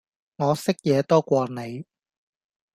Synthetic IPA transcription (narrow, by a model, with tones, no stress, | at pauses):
ŋɔː˨˧sɪ˥k̚jɛː˨˧t̪ɔː˥kʷɔː˧ne˨˧j